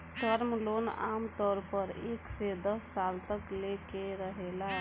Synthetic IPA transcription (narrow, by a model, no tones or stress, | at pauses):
ʈ̪əɾmlona̰mt̪ɔɾpəɾḛksed̪əsːalt̪əklekeɾəɦela